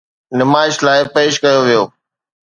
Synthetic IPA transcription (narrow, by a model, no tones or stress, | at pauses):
nɪmaːɪʃlaːɪpeːʃkɐjoʋijoː